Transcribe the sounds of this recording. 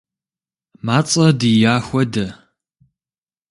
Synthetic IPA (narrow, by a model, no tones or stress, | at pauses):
maːt͡sʼɐdijaːxʷɔdɐ